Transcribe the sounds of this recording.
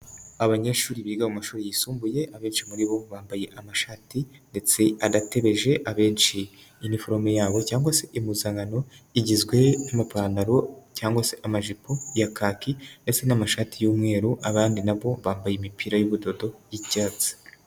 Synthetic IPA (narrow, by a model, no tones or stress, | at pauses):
aβaɲeʃuːɾiβiɡamumaʃuːɾijisuːmbuje̞ʔaβe̞ːnʃimuɾiβo̞βaːmbaje̞ʔamaʃaːtinde̞t͡se̞adate̞βe̞ʒe̞ʔaβe̞ːnʃiː | nifoɾomejaːβo̞caːŋɡwase̞ʔimuzaŋɡano̞iɟizɡwe̞namapaːnaɾo̞caːŋɡwase̞ʔamaʒipojakaːkinde̞t͡se̞namaʃaːtijuːmŋe̞ːɾuʔaβaːndinaβo̞βaːmbajemipiɾajuβudo̞do̞jicaːt͡si̥